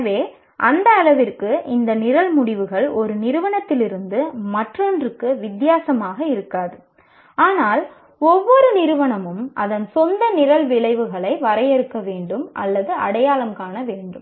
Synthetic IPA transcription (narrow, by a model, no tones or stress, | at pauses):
ʋeː | ʔɐnd̪ɐːlɐʋɪrkɯɪnd̪ɐnɪɾɐlmʊɽɪʋɯɣɐɭɔɾɯnɪɾɯʋɐɳɐt̪ːɪlɪɾɯnd̪ɯmɐʈrɐndrɯkːɯʋɪd̪jaːsɐmaːɣɐɪɾɯkːaːðɯ | aːnaːl | ɔʋːɔɾɯnɪɾɯʋɐɳɐmɯmʔɐðɐnsɔnd̪ɐnɪɾɐlʋɪɭɐɪʋɯɣɐɭɐɪʋɐɾɐjɛɾɯkːɐʋeːɳɖɯmʔɐ̰lːɐðɯɐɽɐjaːlɐmkaːnɐʋeːɳɖɯm